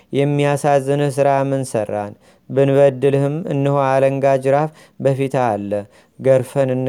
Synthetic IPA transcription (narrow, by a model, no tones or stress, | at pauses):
jɛmːijasazːɨnɨhsɨɾamɨnsərːa̰n | bɨnβəd̪ːɨlhɨmɨ̰nːɨhoaləŋɡad͡ʒɨɾaf | bəfit̪ʰalːə | ɡəɾfənɨnː